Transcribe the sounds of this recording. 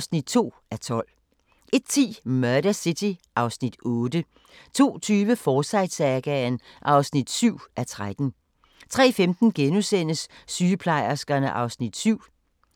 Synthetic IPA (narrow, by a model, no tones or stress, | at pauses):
snid̥̚t͡sʰo̝̰ː | æt͡sʰɒ̽l̰ | ʔe̝d̥̚t͡sʰḭːmœɐɾ̥ɐsit͡sʰiʔɑ̈ʊsnid̥ɔːd̥ə | t͡sʰo̝̰ːt͡sʰyːʋəfɒːsɑ̈ɪd̥sæɡ̥ænʔɑ̈ʊsnid̥syʊ̰ʔæt͡sʰʁad̥n̩ | t͡sʰʁɛ̰ːfemd̥n̩ɡ̥enusen̰əsːyːəpʰlɑ̈ɪ̰ɐsɡ̥ɐnəʔɑ̈ʊsnid̥syʊ̰